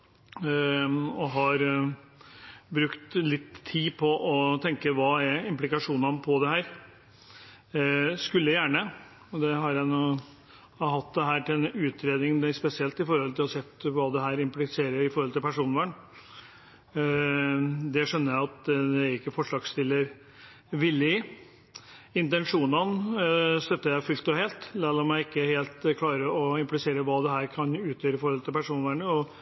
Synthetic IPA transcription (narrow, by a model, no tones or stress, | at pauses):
ɔɦɑɾ | bɾʉkt̪lɪt̪ʰːiːpʰɔʔɔt̪ʰɛŋkəʋɑːæɪmplɪkɑʂuːnɑnpʰɔd̪ɛhæːɾ | skʉlːəjæjæːɳə | ɔd̪ɛɦɑɾjæɪnuː | ɦɑt̪ːd̪ɛɦæːʈɪlɛnʉːt̪ʰɾeːd̪nɪŋspɛsɪɛlt̪ɪfɔɾhɔlt̪ɪlɔsɛt̪ːʋɑːd̪ɛɦæːɾɪmplɪseːɾəɾɪfɔɾɔlt̪ɪlpʰæʂuːnʋæɳ | d̪ɛʂœnːəɾjæɪɑt̪d̪ɛæɾɪkːəfɔʂɭɑːɡst̪ɪlːəɾ | ʋɪlːɪɪ | ɪnt̪ɛnʂuːnɑnst̪œt̪ːəjæɪfʉlt̪ɔheːlt̪lɑːlɑmæɪɪkːəheːlt̪kʰlɑːɾəɔɪmplɪseːɾəʋɑːd̪ɛɦæːɾkʰɑnʉːt̪ʰjøːɾəɪfɔɾhɔlt̪ʰɪlpʰæʂuːnʋæːɳəɔ